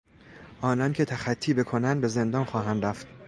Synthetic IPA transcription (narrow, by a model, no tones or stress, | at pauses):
ʔɒːnɒːncʰe̞t̪ʰæxæt̪ʰːiːbe̞kʰonænd̪be̞ze̞nd̪ɒːnxɒːɦænd̪ɾæft̪